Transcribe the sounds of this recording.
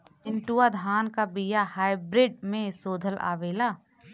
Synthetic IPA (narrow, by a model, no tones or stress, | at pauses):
ɪ̃nʈuːad̪ʱaːnkabijahaːɪbɾɪɖmẽsoːd̪ʱəlʔa̰ːʋeːlaː